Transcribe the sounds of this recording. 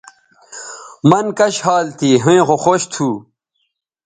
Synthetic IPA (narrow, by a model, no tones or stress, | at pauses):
mɐnkɐɕhaːlt̪ʰiːɦeĩxoxoɕt̪ʰuː